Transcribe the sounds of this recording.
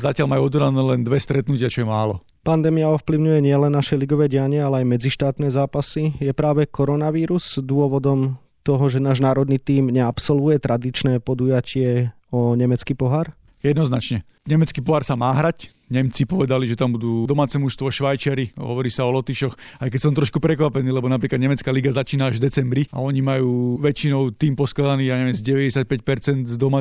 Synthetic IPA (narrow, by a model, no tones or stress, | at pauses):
zacɪalmajuɔd̪ɔd̪anɛːlɛnd̪ʋɛst̪ɾɛt̪nucɪat͡ʃɔjɛmaːlɔ | pand̪ɛːmijaɔfpliʊɲujɛɲɪɛlɛnːaʃɛjliɡɔʋɛːɟɛjaɲɛalɛajmɛd͡ziʃt̪aːt̪nɛːzaːpasijɛpɾaːʋɛkɔɾɔnaʋiːɾuzd̪ʊɔʋɔd̪ɔm | t̪ɔɦɔʒɛnaːʒnaːɾɔd̪niːt̪iːmɲɛapsɔlʋujɛt̪ɾʔad̪it͡ʃnɛːpɔd̪ujacɪɛ | ɔɲɛmɛt͡skiːpɔɦaɾ | jɛd̪nɔznat͡ʃɲɛ | ɲɛmɛt͡skiːpɔɦaɾsamaːɦɾac | ɲɛmt͡sipɔʋɛd̪aliʒɛt̪ambud̪uːd̪ɔmaːt͡sɛmuʃst̪ʋɔʃʋajt͡ʃaɾiɦɔ̰ʋɔɾiːsaɔlɔt̪iʃɔx | ajkɛcsɔmt̪ɾɔʃkupɾɛkʋapɛniːlɛbɔnapɾiːklad̪ɲɛmɛt͡skaːliɡazat͡ʃiːnaaʒvd̪ɛt͡sɛmbɾia̰ɔɲimajuːʋɛt͡ʃinɔʊt̪iːmpɔsklad̪aniːjaːɲɛʋjɛmzɟɛʋɛɟɛsac̚pɛc̚pɛɾt͡sɛnd̪zd̪ɔma